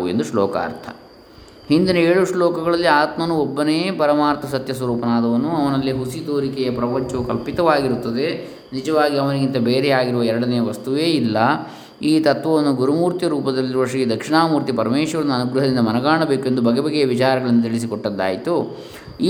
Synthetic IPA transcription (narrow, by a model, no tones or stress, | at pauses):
uḛnd̪uʂlɔ̰ːka̰ːɾt̪ʰɐ̥̰ | hind̪inɐeːɭuʂlɔːkɐɡɐɭɐlːiaːt̪mɐnuɔbːɐneepɐɾɐmaːɾt̪ʰɐsɐt̪jɐsʋɐɾuːpɐnaːd̪ɐʋɐnuɐʋɐnɐlːiɦusid̪oːɾikɛjɐpɾɐpɐɲt͡ʃɐʋukɐlpit̪ɐʋaːɡiɾut̪ːɐd̪e̞ | nid͡ʒɐʋaːɡiɐʋɐniɡint̪ɐbeːɾɛjaːɡiɾuʋɐɛɾɐɽɐnejɐʋɐst̪uʋe̞ːilːɐ | iːt̪ɐt̪ʋɐʋonːuɡuɾumuːɾt̪jɐɾuːpɐd̪ɐlːiɾuʋɐʂɐɡed̪ɐkʂiɳaːmuːɾt̪ipɐɾɐmeːʂʋɐɾɐnːuɐnuɡɾuɦɐd̪ind̪ɐmɐnɐɡaːɳɐbe̞ːkue̞nd̪ubɐɡebɐɡeɐʋit͡ʃaːɾɐɡɐɭɐnːut̪iɭis̬ikɔʈːɐd̪ːaːjit̪u | iː